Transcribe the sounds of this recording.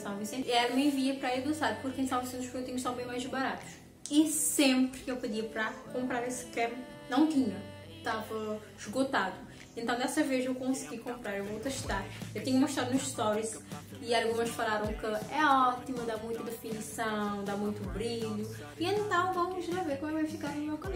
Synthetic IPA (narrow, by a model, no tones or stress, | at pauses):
sãmẽsẽiɛlɐmẽviɐpɾɐaid̪osaɾpuɾkẽsalˠvɐsẽnt̪uʃpɾkewt̪ĩɲɐʃt̪ãbẽj̃majʒbaɾat̪u̥ | isẽmpɾkewpɨd̪iɐpɾɐkõmpɾaɾesɨ̥kɛm | nɐ̃w̃t̪ĩɲɐ | t̪avɐ | ʒɡot̪ad̪ʊ | ẽnt̪ɐ̃w̃d̪ɛsɐvezewkõsɨɡikõmpɾaɾewvowt̪eʃt̪aɾewt̪ĩɲɐumoiʃt̪ɾad̪unuzʃt̪ɔɾizialˠɡũmɐʃfalˠaɾɐ̃w̃kɨɛɔt̪imɐd̪amũj̃t̪ɐd̪efinisɐ̃ww̃d̪amũj̃t̪ubɾiʎu | iẽnt̪ɐ̃w̃vɐ̃wmʒɐveɾkõmɛkbɛ̃fikaɾẽmewkɐmẽ